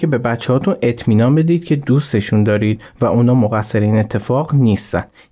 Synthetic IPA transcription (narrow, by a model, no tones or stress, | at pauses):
e̞be̞bæt͡ʃʰːe̞ɦɒːt̪ʰune̞t̪ʰmiːnɒnbe̞d̪iːd̪̥cʰe̞d̪uːst̪e̞ʃund̪ɒːɾiːd̪̥væʔunɒːmoɣæsːe̞ɾeiːne̞t̪ʰːe̞fɒːɣniːst̪ænd̪